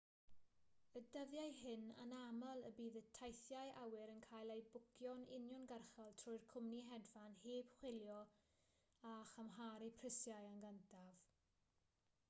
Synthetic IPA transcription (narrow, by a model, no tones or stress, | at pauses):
ədəðjajɦɪna̰namalˠəbiːðətʰajθjajʔawɪɾənkʰaːjlˠejbʊkʰjɔnɪ̰njɔnɡərχalˠtʰrɔjrkʰʊmniɦɛdvanheːb̥χwɪljɔ | aχəmɦaɾipʰrɪsjajanɡəntʰav̥